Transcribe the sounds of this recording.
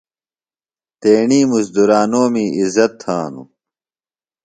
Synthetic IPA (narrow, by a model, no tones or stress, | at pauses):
t̪eːɳiːmusd̪uɾaːnoːmiːizɐt̪ʰhaːnṵ